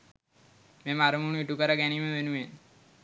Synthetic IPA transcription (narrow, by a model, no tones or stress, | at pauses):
meːmaɾəmuɳuiʈukəɾaɡɛniməʋenuʋen